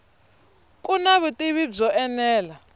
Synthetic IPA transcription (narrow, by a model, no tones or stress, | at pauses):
kʼunaβutʼiβib͡ʐɔʔɛnɛːla